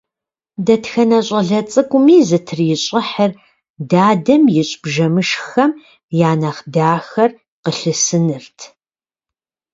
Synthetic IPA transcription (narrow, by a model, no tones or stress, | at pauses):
dɐtxɐnɐɕʼɐɮɐt͡sʼɨkʷʼʊmiːzɨtʰɨrjɪɕʼɐħər | daːdɐmjɪɕʼbʒɐmɨʃxɐm | jaːnɐχdaːxɐr | qəɬɨsɨnɨrtʰ